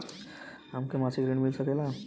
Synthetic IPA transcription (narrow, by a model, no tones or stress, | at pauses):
amkemasiɡɾiɳmilsəkela